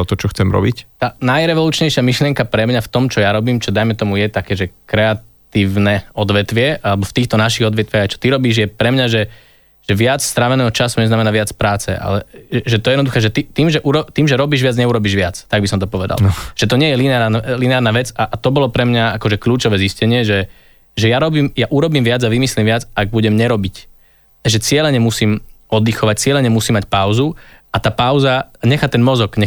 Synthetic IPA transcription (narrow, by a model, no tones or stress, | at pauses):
ɔt̪ɔt͡ʃɔxt͡sɛmɾɔ̰bict̪aːnajɾɛʋɔluːt͡ʃɲɛjʃɪamiʃlɪɛŋkapɾɛmɲaft̪ɔmt͡ʃɔjaɾɔbiːmt͡ʃɔd̪ajmɛt̪ɔmujɛt̪akɛːʒɛkɾɛatt̪iːʊnɛɔd̪ʋɛt̪ʋɪɛʔalɛbɔft̪iːxt̪ɔnaʃiɣɔd̪ʋɛt̪ʋɪjaɣajt͡ʃɔ̥t̪iɾɔbiːʒjɛpɾɛmɲaʒɛ | ʒ̥ɛʋɪat͡sst̪ɾaʋɛnɛːɦɔt͡ʃasuɲɛznamɛnaʋɪat͡spɾaːt͡sɛ̰ʔa̰lɛɛʒɛt̪ɔjɛd̪nd̪uxɛːʒɛt̪it̪iːmʒɛʔuɾɔt̪iːmʒɛɾɔbiːʒʋɪad͡zɲɛuɾɔbiːʒʋɪat͡st̪aɡ̚bisɔmt̪ɔpɔʋɛd̪a̰lʒ̥ɛt̪ɔɲɪɛjɛlinɛnlinɛaːɾnaːʋɛt͡saʔt̪ɔbɔlɔpɾɛmɲaakɔʒɛkʎuːt͡ʃɔʋɛːziscɛɲɪɛʒɛ | ʒɛjaɾɔbiːmjaʔuɾɔbiːmʋɪad͡zaʋimislimʋɪad͡zaɡ̚buɟɛmɲɛɾɔbic | aʒɛt͡sɪɛlɛɲɛmusiːmɔd̪ixɔʋac̚t͡sɪɛlɛɲɛmusiːmːacpaʊzuat̪aːpaʊzaɲɛxat̪ɛnmɔzɔɡɲɛ